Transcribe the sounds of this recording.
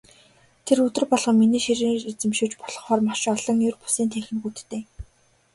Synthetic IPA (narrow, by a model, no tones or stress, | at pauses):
t̪ʰerɵt̪ɵ̆rpɔɮʁɞ̆miniːʃiɾɘːŋet͡sɘ̆mʃoːt͡ɕpɔɮɞ̆χɔːrmaʃɔɮɞ̆ŋjʊrpu̥siːnt̪ʰexɘ̆nxuːt̪t̪eː